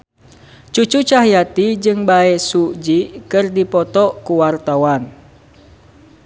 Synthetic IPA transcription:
t͡ʃut͡ʃut͡ʃaɦijat̪id͡ʒɨŋbaɛsud͡ʒikɨrdipɔt̪ɔkuwart̪awan

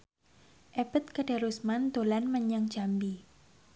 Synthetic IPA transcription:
ʔeb̥ət̪̚kəɖaɾusmant̪olanməɲaŋd͡ʒambi

